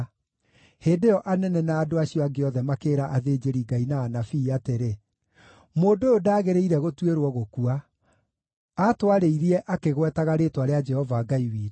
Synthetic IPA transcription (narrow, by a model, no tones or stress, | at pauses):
heːdeɔʔanɛnɛnaːdoaɕiɔaɡeɔðɛmakeːɾaʔaðed͡ʒeɾiɡainaːnafiːateɾe | moːndoodaːɣeɾeiɾɛɣotweɾwɔɣokua | atwaɾeiɾiɛʔakeɣwɛtaɣaɾetwaɾead͡ʒɛhɔvaːɡaiwiːɾ